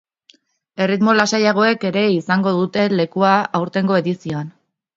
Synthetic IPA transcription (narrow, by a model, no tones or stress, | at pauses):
e̞rit̪mo̞lasajaɣ̞o̞e̞ke̞ɾe̞isaŋɡo̞ð̞ut̪e̞le̞kuaawɾt̪e̞ŋɡo̞eðisioan